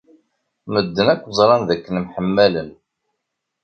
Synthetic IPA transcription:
məd̪ːənækʷːzˤɾˤɑnðækːənmħəmːælən

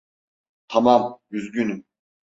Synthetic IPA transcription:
t̪ʰamamjyzɟynym

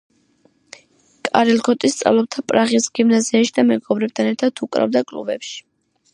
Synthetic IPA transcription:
kʼaɾɛlkʰɔt̪ʼist̪sʼa̰vlˠɔp̚t̪ʰapʼɾaʁisɡ̥imnaziaʃid̪amɛɡɔbɾɛp̚t̪ʰanɛɾt̪ʰad̪ʰukʼɾa̰vd̪akʼlṵbɛ̰pʃi̥

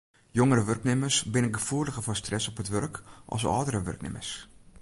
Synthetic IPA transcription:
joŋəɾəʋørknɪmərsbɪnənɡəfuːrdəɣəfɔstrɛsɔpətʋørkʔɔ̰lˠsɔ̰ːdəɾəʋø̰rknɪ̰mə̰rs

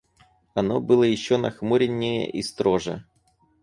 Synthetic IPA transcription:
ɐnobɨlˠəjɪɕːonɐxmuɾʲɪnʲːɪjə̰ʔist̪ɾoʐɛ̰

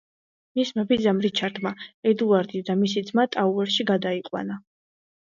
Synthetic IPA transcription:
mismabid̪zamɾit͡ʃʰaɾd̪maɛd̪uaɾd̪id̪amisid̪zmat̪ʼauɛɾʃiɡad̪aiqʼwa̰na

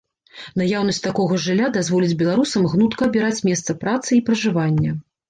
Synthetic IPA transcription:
najawn̪ɐsʲt̪akɔɣɐʐɨlʲːad̪azvɔlʲid͡zʲbʲɛlˠaɾusɐmɣnut̪kɐɐbʲiɾat͡sʲmʲɛst̪sɐpɾat̪sɨipɾɐʐɨvanʲːɐ

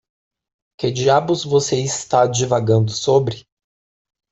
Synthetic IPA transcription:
kɪd͡ʒiabʊzvoseist̪aad͡ʒivaɡɐ̃nd̪ʊsobɾɪ

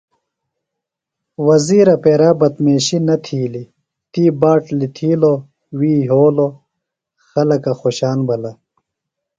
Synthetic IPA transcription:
wɐziːɾɐpeɾaːbɐt̪meːɕinɐt̪ʰiːli | t̪iːbaːʈlit̪ʰiːlo | wiːɦoːlo | xɐlɐkɐxoːɕaːnbɐlɐ

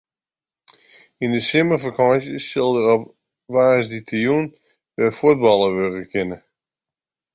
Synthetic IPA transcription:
indəsɪməfakʰɑnsjəːɪlˠdərɔp | ʋaːsditʰijun | ʋɛfut̚bɑlˠəʋørəkʰɪnə

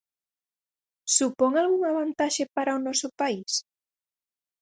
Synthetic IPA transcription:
supɔŋalɣuŋaβant̪aʃepaɾaonɔsʊpais

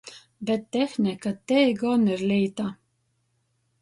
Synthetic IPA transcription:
bɛt̪ːɛxnʲikat̪ɛɡɔniɾlʲiːt̪a

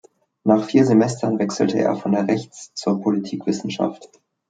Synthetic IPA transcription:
naːχfiːɐzemɛstʰɐnvɛksl̩təʔḛːɐfɔndeːɐʁɛçt͡st͡suːɐpʰolitʰiːkv̥ɪsn̩ʃa̰ft

